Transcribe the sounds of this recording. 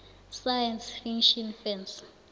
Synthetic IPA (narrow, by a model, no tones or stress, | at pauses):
sajɛnsfiŋʃɔnfɛns